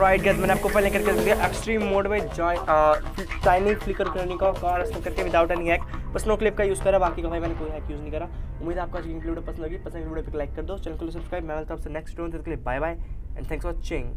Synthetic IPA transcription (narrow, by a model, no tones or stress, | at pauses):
ɾaɪʈ̚ɡɐt̪mɛ̃ːneaːp̚kopɛɦlẽkɐɾked̪aʔeksʈɾiːmːoːɖbaɪd͡ʒa | t͡ʃaːɪnĩkflɪkəɾkɐɾnikakaːɾɐsɐmkɐɾkebid̪aːʊʈɛ̃nĩŋɛːkpɐsnoːklɪp̚kajuːzkɐɾaːbaːkikabʱaːjmɛːnekoːiɦaːkjuːznəĩkɐɾaːʊmːiːd̪aːp̚kat͡ʃɡĩŋplebɖopɐsənd̪ɦoːɡipɐsənbɖopɪklaɪkːɐɾd̪oːt͡ʃɐlnklos̬eskaːbmɛ̃ːŋɐlt̪ʰoaːpsenɛksʈʈoʋnt̪ʰet̪klebaːjbaːjɛ̰̃nt̪ʰɛ̃ŋksʋɔːt͡ʃẽŋ